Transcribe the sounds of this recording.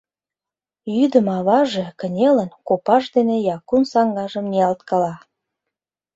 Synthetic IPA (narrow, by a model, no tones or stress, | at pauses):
jyd̪əmɑβɑʒekə̆nʲelənkopɑʃd̪enejɑkunsɑŋɡɑʒə̆mniɑlt̪kɑlɑ